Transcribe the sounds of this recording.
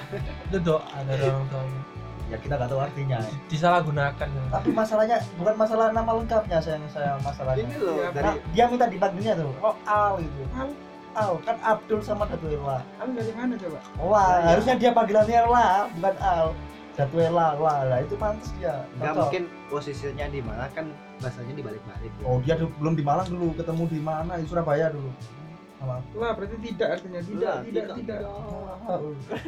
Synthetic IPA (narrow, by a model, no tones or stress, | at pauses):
dodoʔadaɾak̪am | jakit̪aɡat̪aart̪iɲad̥is̬alaɡunakanat̪apimasalahɲabukanmasalahnamaləŋkap̚ɲasajaŋsajamasalahɲalɔnadiamint̪adipaɡinɲat̪ʊloalɡit̪u | ʔalkanab̚dʊlsamadat̪uela | amanad͡ʒobalaɦaɾʊsɲadiapaɡilanɲalabukanal | d̥at̪uelaladait̪umansdiaaɡamuɔkɪn | posisiɲadimanakan | baasaɲadibalɪk̚ba̰lɪt̪̚duɔdiadbəlʊmdimalaŋdulukət̪əmudimanait̪usuɾabajadulu | alalahbəɾat̪it̪̬idaʔart̪iɲat̪ilaiaʔ̪idaʔa